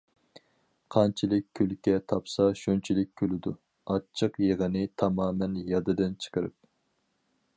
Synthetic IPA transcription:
qʰɑnt͡ʃʰilɪk̚ʲʰːølkʲɛt̪ʰɑpsɑʃunt͡ʃʰilɪk̚ʲːʰølɪd̪u | ɑt͡ʃʰːɨqjeʁənɪt̪ʰɑmɑːmɛnjɑd̪ɨd̪ɨnt͡ʃʰə̥qəɾɨp̚

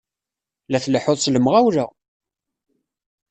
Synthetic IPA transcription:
læθləħʊðˤsləmʁæwɾə

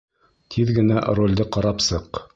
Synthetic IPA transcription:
t̪ʰiðɡɘ̆næ̰rolʲd̪ɤqɑɾɑpsɤq

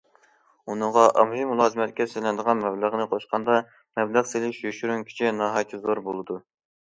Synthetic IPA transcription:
unɨɴʁɑʔɑmhimulˠɑːzɨmɛt̪̚kʲɛselɪnd̪əʁɑnmɛblˠəʁnɨqʰoʃqʰɑnd̪ɑ | mɛbləʁselɪʃjøʃyɾyŋkʲʰi̥t͡ʃʰinɑːɦɑjt̪ʰɨzoɾbolˠɨd̪u

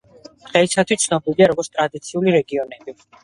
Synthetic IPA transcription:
d̪̥ʁɛisat̪ʰwist̪sʰnɔbiliaɾɔɡɔɾt̪st̪ʼɾad̪it̪sʰiuliɾɛɡiɔnɛbi

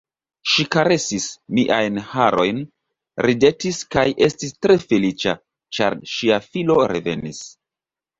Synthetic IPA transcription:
ʃikaɾe̞sismiʔajnhaɾo̞jn | ɾide̞tiskajʔe̞stistɾe̞fe̞lit͡ʃa | t͡ʃa̰ɾʃiafilo̞ɾe̞ve̞̰nḭs

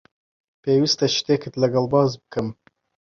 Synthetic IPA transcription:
pʰewist̪ɐʃi̥t̪eːkʰɨt̪ləɡɐlbɑːzbɨ̥kʰɨm

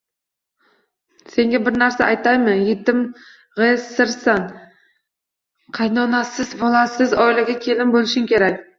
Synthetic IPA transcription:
se̞ŋɡʲabɪɾnaɾsaʔajt̪ajmɪjet̪ɪm | ʁessɪɾsan | qʰɑjnɒnasɪzbɒlˠasɪzɒjlˠɪɡʲakʲʰe̞lɪmbolˠɪʃɪŋkʲʰe̞ɾakʲ

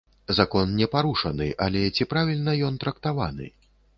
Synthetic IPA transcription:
zakɔnnʲɛpaɾuʂɐnɨ̰ʔalʲɛt͡sʲipɾavʲilʲnɐjɔnt̪ɾɐkt̪ava̰nɨ̰

